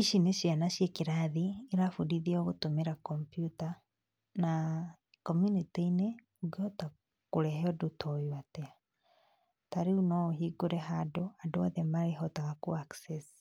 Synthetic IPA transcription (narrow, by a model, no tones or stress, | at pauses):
iʃineʃjanaʃjekiɾaðiːɾafudiðioɣutumeɾakɔmpjuta | na | kɔmjuniteine | uɡɔta | kuɾɛɦɛɔdutʰɔjwatɛa | taɾeunɔɦiɡuɾɛɦadoadwaðɛmaɾeɦɔtaɣakuakses